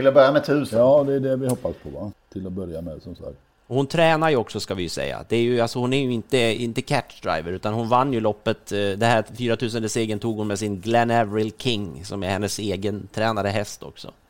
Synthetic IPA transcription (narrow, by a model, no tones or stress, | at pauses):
ɪlabœɾjamɛt̪ʰhʉ̟ːsɑːd̪ɛːɖɛvɪhɔpːaspʰɔvat̪ʰɪlɔbœɾjamɛsɔmsa̰k̚t̪ | ɔhʊnt̪ʰɾɛːnaɾjɵɔksɔskavɪjsɛ̰jːa̰d̪̥ɛæɾjɵalsɔhʊnæɾjɵɪnt̪əɪnt̪əkʰæʈːd̪ɾa̰jvəɾʉ̟ːt̪anhʊnvanːjɵlɔpːət̪d̪ɛɦæːfyːɾat̪ʰʉ̟ːs̬ənəseːɡənt̪ʰuːɡhʊnmɛsɪnɡlɛnɛvɾɪlkʰɪŋːsɔmæhɛnːəseːɡənt̪ʰɾɛːnad̪əɦɛst̪ɔ̰ksɔ̰